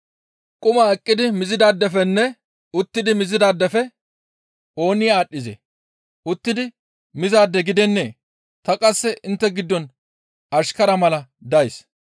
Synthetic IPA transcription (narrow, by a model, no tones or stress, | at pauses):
kʼʊmaɛkʼːɪd̪ɪmɪzɪd̪aːd̪ːɛfɛnːɛ | ʊt̪ːɪd̪ɪmɪzɪd̪aːd̪ːɛfɛ | o̞ːnɪjaːɗːɪzḛ | ʊt̪ːɪd̪ɪ | mɪzaːd̪ːɛɡɪd̪ɛnːe̞̰ː | t̪ɐkʼɐsːɛʔɪnt̪ːɛɡɪd̪ːɔn | ɐʃkɐɾɐmɐlɐ | d̪ɐjs